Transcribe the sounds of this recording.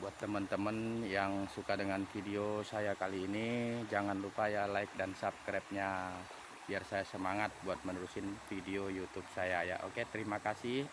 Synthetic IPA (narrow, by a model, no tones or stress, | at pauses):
buat̪ːəmənt̪əmənjaŋsukadəŋanfideosajakaliːnid͡ʒaŋanlupajalaɪk̚dansap̚kɾɛp̚ɲa | b̥iarsajasəmaŋat̪̚buat̪̚mənuɾusɪnfideojut̪ub̚sajaja̰ʔo̰ket̪əɾimakasɪh